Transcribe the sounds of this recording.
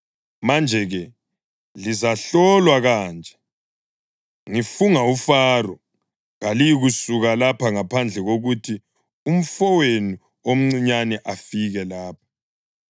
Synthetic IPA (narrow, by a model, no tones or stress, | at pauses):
mand͡ʒʱɛɣɛ | lizaɬɔlwaɣaːnd͡ʒʱɛ | ŋifuŋaufarɔ | ɣalijiɣusuɣalapʰaŋapʰand͡ɮʱɛɣoɣutʰi | um̩fɔweni | om̩ŋ͡ǀiɲanɛʔafiɣɛlaːp̚ʰḁ